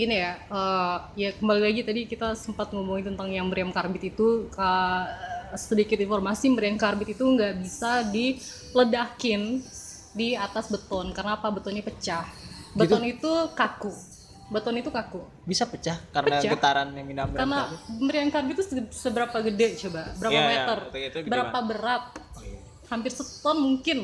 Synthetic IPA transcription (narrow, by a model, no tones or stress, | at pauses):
injaə | jakəmbalilaɡit̪adikit̪asəmpat̪̚ŋomuŋit̪ənt̪aŋjaŋməɾiamkarbɪt̪it̪ukə | sədikɪt̪informasiməɾiamkarbɪt̪it̪uŋɡaʔbisadi | lədakɪn | diat̪asbət̪ɔnkarənaːpabət̪ɔnɲapət͡ʃahbət̪ɔnit̪ukaku | bət̪ɔnit̪ukaku | bisapət͡ʃahkaɾəpənat͡ʃaɡət̪aɾanaminambkarnaməɾiaŋkarbɪt̪ːussəbəɾapaɡədɛt͡ʃobabəɾapamet̪ərbəɾapabəɾat̪̚ | hampɪrsət̪ɔnmuŋkɪn